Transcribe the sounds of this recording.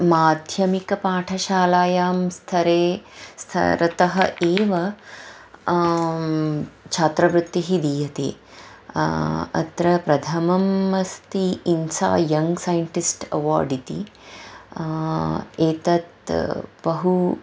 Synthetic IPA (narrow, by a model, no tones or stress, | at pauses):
maːd̪ʱjɐmikɐpaːʈʰɐʃaːlaːjaːmst̪ʰɐɾeːst̪ʰɐ̰ɾɐt̪ɐɦɐeːʋɐ | t͡ʃʰaːt̪ɾɐbɾut̪ːiɦid̪iːjɐt̪ḛː | ɐ̰t̪ɾɐpɾɐd̪ʰʱɐmɐmɐst̪iːnsa̰ːjɐŋɡsaːjɐɳʈisʈɐ̰ʋa̰ːɾɖit̪ḭ | eːt̪ɐt̪bɐɦu